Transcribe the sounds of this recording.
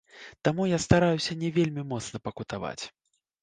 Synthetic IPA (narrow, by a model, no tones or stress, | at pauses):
t̪amujast̪aɾajusʲɐnʲɛvʲelʲmʲimɔt̪snɐpɐkut̪ava̰t͡sʲ